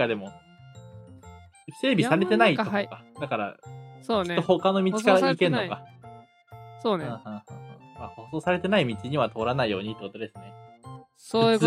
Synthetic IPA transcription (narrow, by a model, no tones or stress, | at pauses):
ad̪e̞mo̞ | se̞ːbʲisaɾe̞t̪e̞nait̪kad̪akaɾa̰ot̪ːoho̞kano̞mʲit͡ɕi̥kaɾaikẽ̞nːoka | soɯ̃ːhɯ̃ːhɯ̃hmaːho̞so̞ːsaɾe̞t̪e̞naimʲit͡ɕiɲ̟iβat̪o̞ːɾanaijo̞̰ːɲ̟it̪ːekot̪o̞d̪e̞sɨne̞ | sojɯ